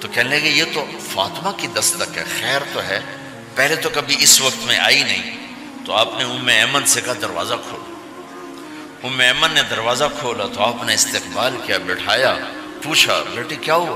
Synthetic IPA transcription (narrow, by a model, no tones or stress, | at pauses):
t̪okɛɦneleɡejet̪o | fa̰ːt̪makid̪ɐst̪ɐkɦɛ̰xɛːɾt̪oɦɛː | pɛɦlet̪okɐbʱiɪsʋɐk̚t̪mḛ̃ʔa̰ːinɐɦĩː | t̪oaːpneʊmːeɛːmənsekad̪ɐɾʋa̰ːzakʰo̰ːla | ʊmːeɛːmənːed̪ɐɾʋaːzakʰoːlat̪oaːpneɪst̪eːqbaːlkijabɛʈʰaːja | puːt͡ʃʰa̰beːʈʰikjaːɦu